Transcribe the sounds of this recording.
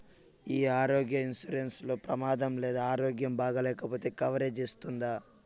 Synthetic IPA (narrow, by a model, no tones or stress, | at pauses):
iːaːɾoːɡjɐinsuɾenslo̞ːpɾɐmaːd̪ɐmleːd̪aaːɾo̞ːɡjɐmbaːɡɐlɛːkɐpo̞ːt̪e̞ːkɐʋɐɾeːd͡ʒist̪und̪aː